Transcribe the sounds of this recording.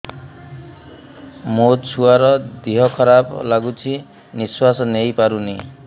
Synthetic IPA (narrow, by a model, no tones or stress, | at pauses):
mot͡ʃʰuaɾɔd̪iɦɔkʰɔɾablaɡut͡ʃʰi | niswasɔnejpaɾuni